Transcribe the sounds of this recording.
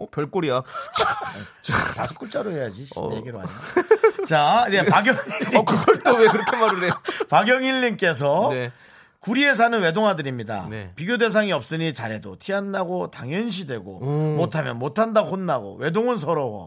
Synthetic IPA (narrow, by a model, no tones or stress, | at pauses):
ʌpjʌɭk͈oɾiat͡ɕaḛ | t͡ɕata̰sʰu̥k͈uɭt͡ɕ͈aɾoɦe̞jad͡ʑiɕijeɡiɾoa̰ɲit͡ɕaje̞paɡjʌŋikɯɡʌɭt͈owekɯɾʌkʰemaɾɯɾejopaɡjʌŋiʎːink͈e̞s̬ʰʌne | kuɾie̞s̬ʰanɯnwe̞doŋɦadɯɾimɲida̰nepiɡjode̞s̬ʰaŋiʌp̚s͈ɯɲit͡ɕaɾe̞dotʰianːaɡotaŋjʌnɕ̬ʰidwe̞ɡo̰motʰamjʌnmotʰandaxonːaɡo̰we̞doŋɯns̬ʰʌɾʌwʌ̰